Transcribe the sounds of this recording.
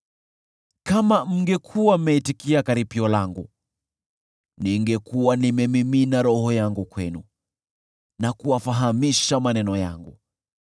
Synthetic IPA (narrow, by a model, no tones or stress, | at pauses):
kamam̩ŋɡɛkʰuwam̩mɛitikiakaɾipiɔlaŋɡu | niŋɡɛkuwanimɛmiminaɾɔhɔjaŋɡukwɛnu | nakuwafaɦamiʃamanɛnɔja̰ŋɡu